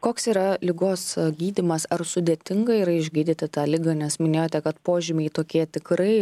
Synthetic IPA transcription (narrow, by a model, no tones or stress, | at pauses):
koːksiːɾɐlʲɪɡoːsɡʲiːd̪ʲɪmɐsɐrsʊd̪ʲeːt̪ʲɪŋɡɐiːɾɐɪʒʲɡʲiːd̪ʲɪt̪ʲɪt̪ɑːlʲɪɡɐnʲɛsmʲɪnʲeːjoːt̪ʲɛkɐt̪poːʒʲɪmʲɛɪt̪oːkʲiɛt̪ʲɪkɾɐɪ